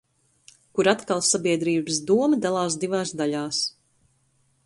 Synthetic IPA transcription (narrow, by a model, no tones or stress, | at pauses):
kuɾat̪kalˠsabiɛd̪ɾiːbəsd̪uɔməd̪alˠaːs̬d̪ivaːsd̪aʎaːs